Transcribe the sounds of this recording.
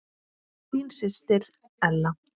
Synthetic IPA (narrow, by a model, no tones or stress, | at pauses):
kʰimsɪst̪ɪɾ̥ | ɛlːa